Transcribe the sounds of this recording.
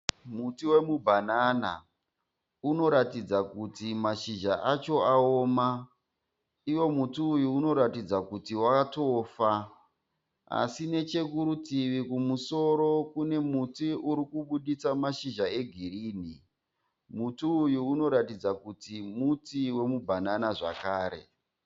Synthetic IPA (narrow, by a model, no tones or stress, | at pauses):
mutiwe̞mubʱanana̰ | uno̞ɾatid͡zakutimaʃiʒaʔat͡ʃo̞aoːma | iwo̞mutiːjuːno̞ɾatid͡zakutiwaatoːfa | a̰sine̞t͡ʃe̞kuɾutiʋikumuso̞ɾo̞kune̞mutiuɾikuɓuɗit͡samaʃiʒae̞ɡʱiriːn̤i | mutuːjuuno̞ɾatid͡zakutimutiwe̞mubʱananaʐa̰kaːɾe̞̰